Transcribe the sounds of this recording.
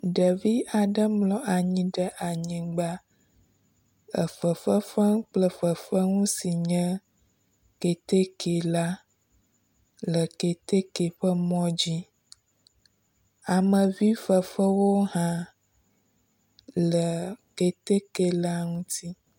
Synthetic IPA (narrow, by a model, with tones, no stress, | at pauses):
ɖə˨vi˦ʔa˨ɖə˦mlɔ̃˨ʔa˨ɲĩ˦ɖə˦ʔa˨ɲĩ˨ɡ͡ba˦ | ə˨fə˨ɸə˦fə˦ŋ˦k͡plə˦ɸə˨fə˦ŋũ˦si˨ɲə̃˦ | ke˨t̪e˦kʰe˨la˦ | lə˨ke˨t̪e˦ke˨ɸə˦mɔ̃˦d͡ʑi˦ | a˨mə̃˨vi˦fə˨fə˦wo˦ɦã˦ | lə˨ke˨t̪e˦ke˨la˦ŋũ˦t̪ʰi˦